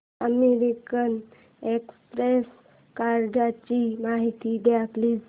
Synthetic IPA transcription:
əmeɾikən | ekspɾes | kaɾɖat͡ɕimaɦit̪id̪eakli

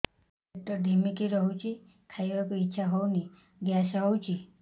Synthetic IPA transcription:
ek̚ʈəɾd̪ʱimikiɾɔɦut͡ʃʰi | kʰaiʋakuitːʃʰaɦɔwni | ɡjasɦɔwt͡ʃʰi

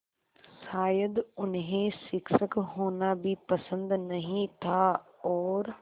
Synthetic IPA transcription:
saːjəd̪ʊnɦẽsɪksəkɦoːnabʱipɐsə̃nd̪nɐɦĩt̪ʰaɔːɾ

